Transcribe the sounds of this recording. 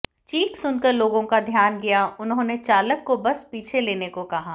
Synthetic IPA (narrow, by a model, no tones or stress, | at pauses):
t͡ʃiːksʊnkəɾloːɡõkad̪ʱjaːnɡijaʊnɦõnet͡ʃaːləkːobɐspiːt͡ʃʰeleːnekokɐɦaː